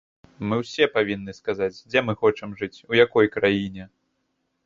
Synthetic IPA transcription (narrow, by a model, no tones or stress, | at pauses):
mɨwsʲɛpavʲinːɨskazat͡sʲd͡zʲɛmɨxɔt͡ʂɐmʐɨt͡sʲujakɔjkɾajinʲɛ